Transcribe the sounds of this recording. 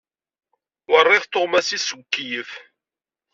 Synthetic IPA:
wərˤːɪðt̪omæsiskːijəf

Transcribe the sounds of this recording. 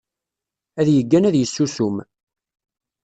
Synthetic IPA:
æðjəɡːænæðjəsːusum

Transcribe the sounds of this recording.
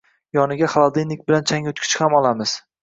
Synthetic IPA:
jɒnɪɡʲaχalˠad̪enːɪk̚ʲbɪlant͡ʃʰaŋot̪kʲʰɪ̥t͡ʃhamɒlˠamɪz̥

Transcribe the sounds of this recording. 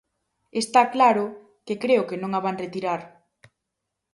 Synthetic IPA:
est̪aklaɾʊ | kekɾeʊkenõŋaβaŋret̪iɾaɾ

